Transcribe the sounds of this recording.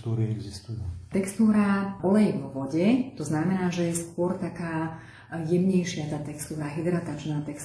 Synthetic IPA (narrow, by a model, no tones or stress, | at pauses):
t̪uːɾiɛɡzist̪ujut̪ɛkst̪uːɾaɔlɛjɛɡʋɔʋɔɟɛt̪ɔznamɛnaːʒɛjɛskʊɔɾt̪akaː | jɛmɲɛjʃɪat̪aːt̪ɛkst̪uːɾaɦid̪ɾat̪at͡ʃnaːt̪ɛks